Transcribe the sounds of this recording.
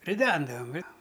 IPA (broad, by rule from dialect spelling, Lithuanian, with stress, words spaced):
rʲɪˈdʲɛndɐʋɐm ˈjoː